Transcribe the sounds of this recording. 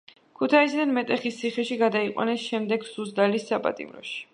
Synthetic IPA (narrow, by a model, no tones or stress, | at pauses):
kʰut̪ʰaisid̪anmɛt̪ʼɛχist̪sʰiχɛʃiɡad̪aiqʼwa̰nɛsʃɛmd̪ɛɡsuzd̪alisːapʼa̰t̪ʼḭmɾɔ̰ʃi̥